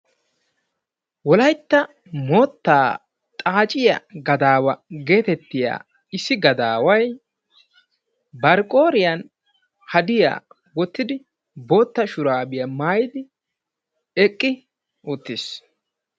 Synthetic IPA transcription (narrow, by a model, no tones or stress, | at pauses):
wɔlɐjt̪ːɐ | moːt̪ːaː | t̪ʼaːt͡ʃʼɪjɐ̰ɡɐd̪aːwɐɡe̞ːt̪ɛt̪ːɪja̰ː | ɪsːɪɡɐd̪aːwɐj | bɐɾkʼo̞ːɾɪjɐn | hɐd̪ɪja̰ː | wɔt̪ːɪd̪ɪ | bo̞ːt̪ːɐʃʊɾaːbɪjɐmaːjɪd̪ɪ | ɛkʼːɪ | oːt̪ːes